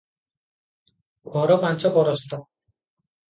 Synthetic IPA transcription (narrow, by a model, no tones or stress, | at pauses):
ɡɔɾɔmant͡sɔpɔɾɔst̪ɔ